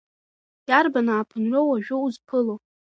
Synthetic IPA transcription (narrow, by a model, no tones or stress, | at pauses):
jarbanaːpʰɨnrowaʒᶣowzpʰɨlow